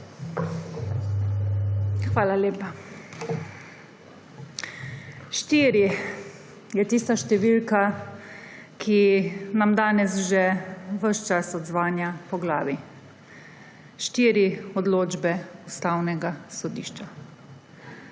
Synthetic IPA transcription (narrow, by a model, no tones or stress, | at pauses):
xʋaːlaleːpa | ʃt̪iːɾi | jɛt̪ist̪aʃt̪ɛʋiːlka | kʰinamd̪aːnɛsʒɛʋəʃt͡ʃasɔd̪zʋaːnjapɔɡlaːʋi | ʃt̪iːɾiɔd̪loːd͡ʒbɛust̪awnɛɡasɔd̪ḭːʃt͡ʃa